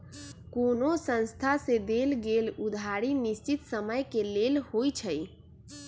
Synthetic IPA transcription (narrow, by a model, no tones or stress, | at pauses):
konosə̃nst̪ʰased̪elɡelud̪ʱaɾinist͡ʃit̪səməjkelelhojt͡ʃʰəj